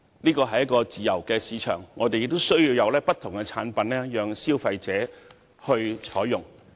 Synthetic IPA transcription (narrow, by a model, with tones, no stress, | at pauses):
niː˥kɔː˧ɦɐ˨jːɐ˥t̚kɔː˧t͡siː˨˩jɐ˨˩wkɛː˧siː˨˥t͡ʃʰœ̰ː˨˩ŋːɔː˨˧t̪e˨jɪ˨k̚t̪o˥wsɵ˥ɥjiː˧wjɐ˨˧wlɛː˥pɐ˥t̪ʰʊ˨˩ŋkɛ˧t͡sʰaː˨˥npɐ˨nlɛː˥jœː˨ŋsiː˥wfɐ˧jt͡sɛː˨˥ | hɵ˧ɥt͡ʃʰɔː˨˥jjʊ˨˩ŋ